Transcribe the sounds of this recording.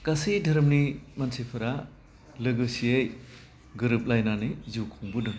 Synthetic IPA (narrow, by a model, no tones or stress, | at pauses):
kasidʱɐɾmnimansepʰɐɾa | lɯɡɯsiej | ɡɯɾɯp̚lajnanijzukʰuŋbɯdɯn